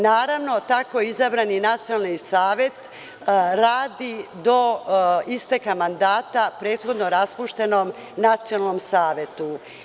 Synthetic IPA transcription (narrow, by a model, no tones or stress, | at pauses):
naːɾaʋno̞t̪akoizabɾaninat̪sijonalnisaːʋje̞t̪ | ɾaːd̪id̪o̞ist̪ekamand̪aːt̪apɾe̞ːt̪xo̞d̪no̞ɾaspuʃt̪e̞nom | nat̪sijonalˠno̞msaːʋjet̪u